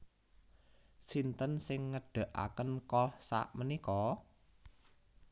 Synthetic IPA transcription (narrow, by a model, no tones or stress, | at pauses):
sint̪ənsɪŋːəɖ̥ä̤ʔa̰kənkɔhsa̰ʔmənikɔ